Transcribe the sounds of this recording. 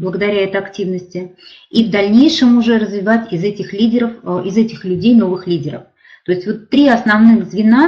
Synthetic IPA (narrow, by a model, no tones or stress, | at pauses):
blˠəɡəd̪ɐɾʲæɛt̪əɐktʲivnəsʲtʲɪ | ivd̪ɐlʲnʲejʂɨmʊʐɛrəzvʲɪvatʲɪzɛtʲɪxlʲidʲɪɾəfɪzɛtʲɪxlʲʉdʲejno̞vɨxlʲidʲɪɾə̰f | t̪o̞ɪsʲtʲvo̞t̪ːɾʲiɐsnɐvnɨɣzvʲɪna